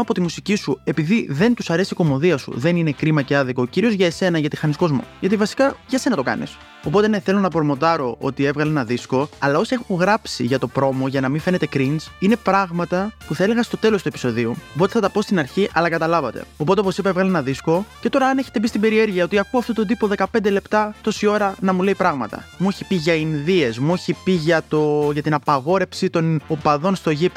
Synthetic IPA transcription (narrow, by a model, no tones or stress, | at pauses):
ɐpo̞t̪imusicisue̞piðiðe̞nt̪usɐɾe̞siko̞mo̞ðiɐsṵðe̞nine̞kɾimɐce̞ɐðikoːciɾio̞zʝɐese̞nɐʝɐt̪ixɐnisko̞zmo̰ʝɐt̪̬ivɐsi̥kɐʝɐse̞nɐt̪o̞kɐ̰nḭs | o̞po̞t̪e̞ne̞θe̞lo̞nɐpoɾmo̞t̪ɐɾo̞ʔo̞̰t̪ie̞vɣɐleenɐðisko̞ɐlɐo̞siexuŋɣɾɐpsiʝɐt̪o̞pɾo̞mo̞ʝɐnɐmife̞ne̞t̪ekɾinsine̞pɾɐɣmɐt̪ɐpuθɐele̞ɣɐst̪o̞t̪e̞lo̞st̪uepi̥so̞ðiupot̪eθɐt̪ɐpo̞st̪inɐɾçiʔɐlɐkɐt̪ɐlɐvɐt̪e̞̰o̞pt̪eop̬osipɐevɣɐlenɐðisko̞ce̞t̪o̞ɾɐɐne̞çe̞t̪e̞p̬ist̪ibe̞ɾie̞ɾʝiɐo̞t̪iɐkuɐft̪ot̪od̪ipoðe̞kɐpnd̪e̞le̞pt̪ɐt̪o̞sio̞ɾɐnɐmule̞ipɾɐɣmɐt̪ɐ̰mueçipiʝɐinðie̞zmueçipiʝɐt̪o̞ʝɐt̪inɐpɐɣo̞ɾe̞fsit̪o̞nopɐðo̞nst̪o̞ʝip